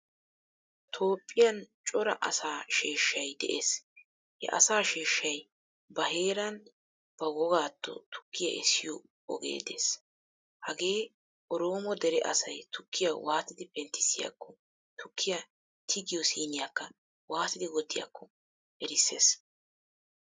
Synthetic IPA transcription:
t̪ʰo̞ːpʼːɪjɐnt͡ʃʼɔɾɐ̰ʔɐsaːʃeːʃːɐjd̪ɛ̰ʔḛːs | hɛ̰ʔɐ̰saːʃiːʃːɐj | bɐɦe̞ːɾɐn | b̥ɐwɔɡaːt̪ʰːɔ̰t̪ʰʊ̥kːɪjɐ̰ʔɛsːɪjɔ | ɔ̰ɡḛːd̪e̞̰ːs | hɐɡe̞ː | ʔɔɾo̞ːmɔd̪ɛɾɛʔɐsɐjt̪ʰʊkːɪjɐwaːt̪ɪd̪ɪpɛnt̪ːɪ̥sɪjɐ̰kʰːɔ | t̪ʰʊkʰːɪjɐ | t̪ʰɪɡɪjɔsiːnɪjɐkːɐ | waːt̪ɪd̪ɪwɔt̪ːɪjɐ̰kʰːɔ | ʔɛɾɪsːeːs

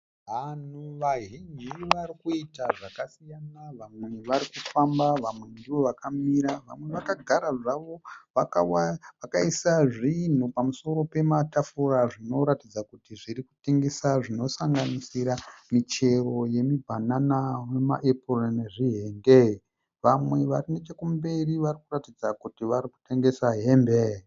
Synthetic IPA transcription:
ɦanuʋaɦiɲiʋaɾikuitaʐakasijanaʋamwe̞ʋaɾikufambaʋamwe̞ndiʋo̞ʋakamiɾaʋa̰mwe̞ʋakaɡʱaɾaʐaʋo̞ʋakawʋakaisaʐin̤upamuso̞ɾo̞pe̞matafuraʐino̞ɾatid͡zakutiʐiɾiku̥te̞ŋɡe̞saʐino̞saŋɡanisiɾamit͡ʃe̞ro̞je̞mibʱananawema̰ʔeporeneʐiɦe̞ndei | ʋamwe̞ʋarine̞t͡ʃekumbe̞riʋarikuratid͡zakutiʋaɾiku̥te̞ŋɡe̞saɦembe

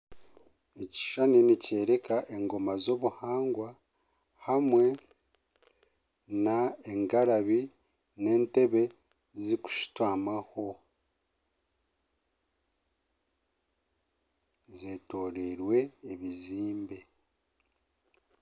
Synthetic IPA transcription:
eci̥ʃaninice̞ːɾe̞kaʔe̞ŋɡo̞mazo̞βuhaːŋɡwa | hamwe̞ | naeŋɡaɾaβi | ne̞ːnte̞βe̞ | ziku̥ʃi̥twaːmaho̞ | zetoːɾeɾwe̞ːβiziːmbe̞

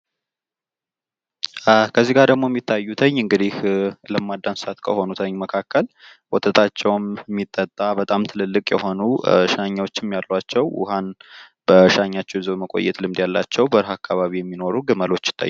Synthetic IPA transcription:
kʰəzːiɡaɾd̪əɡmo̞jɛmːit̪ʰːajːut̪ʰəɲːɨŋɡɨd̪ihləmːad̪ːansɨat̪kʰəho̞nut̪ʰəɲːməkʰakːəl | wɔt̪ʰət̪ʰat͡ʃːɛwmmːit̪ʼːət̪ʼːabət̪ʼamt̪ʰɨlɨlːɨkʼjɛ̰ho̞nuʃaɲːawo̞t͡ʃːɪmjalːat͡ʃːɛwʔʊ̰ɦan | b̥əʃaɲːat͡ʃːɛwzoβməkʼo̞̰jːɛ̰t̪lɨmd̪jalːa̰t͡ʃːɛwbəɾɦakʰːaβaβijɛmːino̞ɾuɡɨməlo̞t͡ʃːɪ̥t̪ʰʼːa̰j

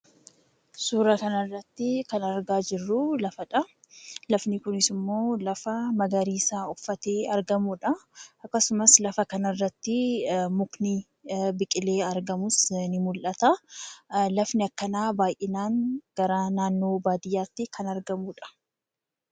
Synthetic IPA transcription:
suːɾɐkɐnɐrːɐt̪ːɪkɐnɐɾɡaːd͡ʒɪrːulɐfɐᶑɐ | lɐfnɪkʊnɪsɪmːo̞ːlɐfɐmɐɡɐɾiːsaːʊfːɐt̪eːɐɾɡɐmuːᶑɐɐkːɐsʊmɐslɐfɐkɐnɐrːɐt̪ːɪmʊkni | bɪkʼɪle̞ːɐɾɡɐmʊsnɪmʊlʔɐt̪ɐ | lɐfnɪɐkːɐnaːbaːjʔɪnaːŋɡ̥ɐɾaːnaːnːo̞ːbaːd̪ɪjːaːt̪ːɪkʰɐnɐɾɡɐmuːᶑɐ̥

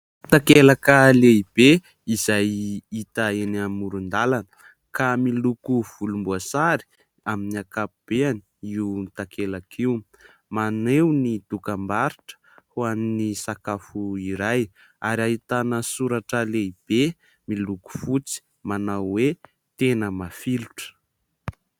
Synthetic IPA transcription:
t̪akelakəleib̥e | izajit̪əenamuɾund̪alanə̥ | kamilukuv̥ulumbuasaɾi̥ | aminiakapub̥eani̥iwuit̪akʰelakʰiw | manewnid̪̥ukambaɾiʈ͡ʂə̥ | huaninisakafuiɾaj | aɾiaɦit̪anəsuɾaʈ͡ʂəleib̥e | miluku̥fut͡si̥ | manawwe | t̪enəmafiluʈ͡ʂə̥

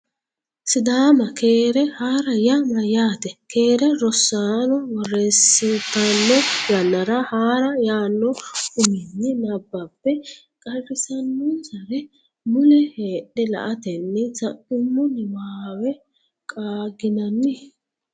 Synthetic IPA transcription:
sɪd̪aːmɐkʰeːɾɛhaːɾɐjamɐjaːt̪ɛkʰe̞ːɾɛɾɔsaːnɔwɔrːeːsːɪt̪ːɐnːɔjɐnːɐɾɐhaːɾɐjaːnːɔʊmɪnːɛnɐbːɐpːɛ | kʼɐrɪsɐnːʊnsɐɾɛ | mʊlɛheːɗɛlɐ̰ʔɐt̪ɛnːɛt͡sɐʔɪmːʊnɪwaːwɛ | kʼaːɡɪnɐnːɪ

